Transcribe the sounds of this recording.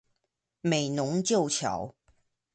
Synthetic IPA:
me˨˩ɪnʊ˧˦ŋt͡ɕjo˥˨ʊt͡ɕʰjɑ̰˨˦ʊ

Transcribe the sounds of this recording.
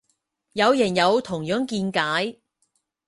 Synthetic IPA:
jɐ˨˧wjɛ˨˩njɐ˨˧wt̪ʰʊ˨˩ŋjœː˨˥ŋkiː˧nkaː˨˥j

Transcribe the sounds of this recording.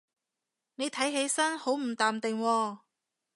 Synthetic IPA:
ne˨˧jt̪ʰɐ˨˥jɦe˨˥jsɐ˥nho˨˥wm̩˨˩t̪aː˨mt̪ɪ˨ŋwɔː˧

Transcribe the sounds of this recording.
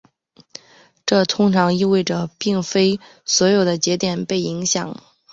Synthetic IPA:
ʈ͡ʂɤ˥˩t̪ʰʊ˥ŋʈ͡ʂʰɑ˧˥ŋi˥˧we˥˩ɪʈ͡ʂə˩pi˥˩ŋfe˥ɪ | swɔ˧˥jo˨˩ʊd̪ə˦t͡ɕɛ˧˥t̪jɛ˨˩npe˥˩ɪi˧˥ŋɕjɑ˨˩˦ŋ

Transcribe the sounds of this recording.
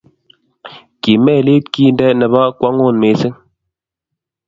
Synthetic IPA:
ki˨mɛ˦˨le˦t̚ki˦ndɛ˦nɛ˨ba˦kwa˦ŋo˦˨nme˨˦sɨ˦ŋ

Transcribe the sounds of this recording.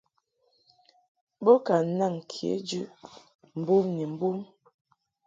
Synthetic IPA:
bo˦ka˨˦na˦˨ŋ˨kʰḛ˨˦d͡ʒʉ˦ʔ | m̩˨bu˦mni˨m̩˦bu˦m

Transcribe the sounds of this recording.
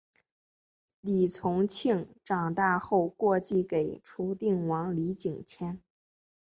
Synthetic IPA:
li˨˩t͡sʰʊ˧˥ŋt͡ɕʰi˥˩ŋʈ͡ʂɑ˨˩ŋt̪a˥˧xo˥˧ʊkwɔ˥˧t͡ɕi˥˩ke˨˩ɪʈ͡ʂʰu˧˥t̪i˥˩ŋwɑ˧˥ŋli˧˥t͡ɕi˨˩ŋt͡ɕʰjɛ˥n

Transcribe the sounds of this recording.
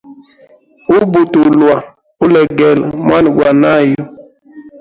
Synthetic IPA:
u˦bu˨tu˨lwa˨ | u˦lɛ˨ɡɛ˨lmwa˦n˨ɡwa˨na˦jo˦

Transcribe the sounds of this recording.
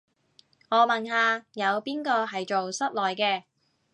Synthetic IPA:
ŋɔː˨˧mɐ˨nɦaː˧jɐ˨˧wpiː˥nkɔː˧ɦɐ˨jt͡ʃo˨wsɐ˥t̚lɔː˨jkɛː˧

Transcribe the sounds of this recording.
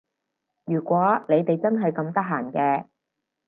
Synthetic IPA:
jyː˨˩kʷwɔː˨˥ne˨˧jt̪e˨jt͡sɐ˥nɦɐ˨jkɐ˧mt̪ɐ˥k̚ɦaː˨˩nkɛː˧

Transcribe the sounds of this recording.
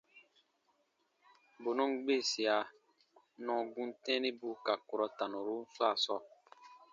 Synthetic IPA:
bo˨nũ˦ɡ͡be˦˨si˨a˨ | nɔ̃˨ɡũ˦n˦tɛ̃˦nĩ˦bu˦ka˨ko˨ɾɔ˨ta˨nõ˨ɾu˦fla˦˨sɔ˦˨

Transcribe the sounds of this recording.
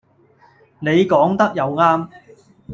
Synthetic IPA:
ne˨˧jkɔː˨˥ŋt̪ɐ˥k̚jɐ˨˧wŋaː˥m

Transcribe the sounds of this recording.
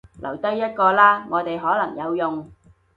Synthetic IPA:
lʔɐ̰˨˩wt̪ɐ˥jːɐ˥t̚kɔː˧laː˥ŋɔː˨˧t̪e˨jɦɔː˨˥lɐ˨˩ŋjɐ˨˧wjʊ˨ŋ

